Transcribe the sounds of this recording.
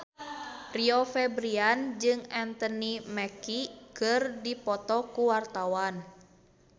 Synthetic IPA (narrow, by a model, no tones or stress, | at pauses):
riofɛbɾiand͡ʒɨŋɛnt̪ɔnimɛkikɨrdipɔt̪ɔkuwart̪awan